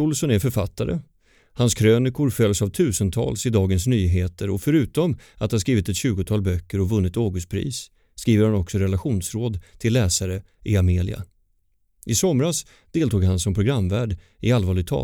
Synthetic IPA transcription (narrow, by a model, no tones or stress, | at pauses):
ʊlsɔnɛɾfœɾfat̪ːaɾə̰ | hanskʰɾøːnɪkʊɾfœlːsavt̪ʰʉ̟ːsənt̪ʰɑ̰ːlsɪd̪ɑːɡənsnyːɦeːt̪ʰəɾɔfœɾʉ̟ːt̪ɔmat̪haɾskɾiːvɪt̪ɛt̪ɕʉ̟ːɡʊt̪ʰɑːlbœkːəɾɔvɵnːɪt̪oːɡɵspʰɾḭːsː | kɾiːvəɾhanɔksɔɾɛlaɧuːnsɾoːd̪t̪ʰɪlːɛːsaɾə | ʔɪameːlɪ̰a̰ | ʔɪsɔmɾas | d̪̥eːlt̪ʰuːɡhansɔmpʰɾʊɡɾamːvæːɖ | ɪalːvɑːɭɪt̪ʰɑ̰ː